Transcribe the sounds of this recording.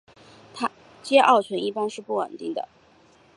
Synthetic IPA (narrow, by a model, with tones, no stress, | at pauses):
t̪ʰa˥ | t͡ɕjɛ˥ʔɑ˥˩ʊt͡ɕʰɥɛ˧˥ni˥˩pa˥nʂɻ̩˥˧pu˥˩wə̰˨˩nt̪i˥˩ŋd̪ə̰˩